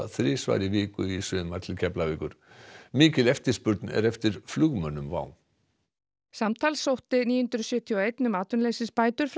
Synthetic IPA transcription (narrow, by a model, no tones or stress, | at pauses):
θɾɪːsva̰ːjɾɪvɪːkʏisʏːmaɾ̥t̪ʰɪlcʰɛplavɛːkʏɾ̥ | mɪːcɪlɛft̪ɪ̥spʏɾt̪nɛ̰ɾɛft̪ɪɾ̥flʏɣmœnːʏmva̰ːwn | samt̪ʰaːlsowht̪ɪniːjʏʏnt̪ɾʏsjœːt̪ʰiɔejt̪nʏmaːt̪ʏnlejsɪspaːjt̪ʏɾ̥f